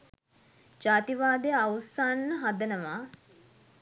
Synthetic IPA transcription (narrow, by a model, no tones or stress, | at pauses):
d͡ʒaːt̪iʋaːd̪ejəawsanːəɦad̪ənəʋa